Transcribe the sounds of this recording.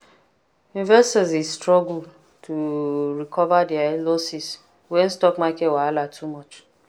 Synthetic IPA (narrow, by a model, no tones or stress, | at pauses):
ĩnvɛstɔzistɹɔɡul̩ | tʰuɹikʰɔvadialosis | wɛ̃nstɔkmakɛtwaalatʰumɔt͡ʃ